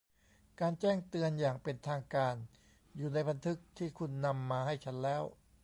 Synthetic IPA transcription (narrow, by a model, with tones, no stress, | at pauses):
kaː˧nt͡ɕɛː˥˩ŋt̪ɯ˧ənjaː˨˩ŋpe˧nt̪ʰaː˧ŋkaː˧n | juː˨˩na˧jba˧nt̪ʰɯ˦˥k̚t̪ʰiː˥˩kʰu˧nːa˧mːaː˧ha˥˩jt͡ɕʰa˦˥nlɛː˦˥w